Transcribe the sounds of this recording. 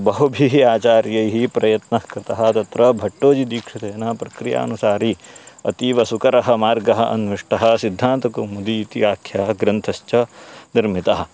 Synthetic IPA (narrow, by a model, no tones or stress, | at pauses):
bɐɦubʱiɦiaːt͡ʃaːɾjɐjɦipɾɐjɐt̪nɐkɾɪt̪ɐɦɐ̆t̪ɐt̪ɾɐbʱɐʈːoːd͡ʒid̪iːkʂit̪ɐjɐnɐpɾɐkɾija̰ːɐnusaːɾiɐ̰t̪iʋɐsukɐɾɐɦɐ̆maːɾɡɐɦɐʔɐ̰nʋiʂʈɐɦɐ̆sid̪ʱːaːnt̪ɐkumud̪iːt̪iaːkʰjaːɡɾɐnt̪ʰɐʃt͡ʃɐniɾmit̪ɐɦɐ̆